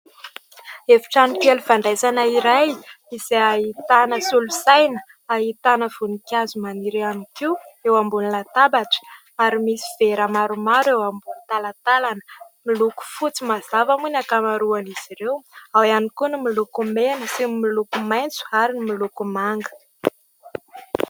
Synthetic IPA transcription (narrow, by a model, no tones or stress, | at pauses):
evi̥ʈ͡ʂanikeluvaɳɖ͡ʐajsanaiɾaj | izeaɦit̪anəsulusajnə̥ | aɦit̪anəv̥unikʲjazumaniɾeanikiewambunilat̪abaʈ͡ʂə̥ | aɾimisi̥v̥eɾamaɾumaɾewambunit̪alat̪alanə̥ | miluku̥fut͡simazavamunakamaɾuaniz̥iɾewawanikunumilukumenəsimilukumajnt͡su̥aɾinimilukumaŋɡə̥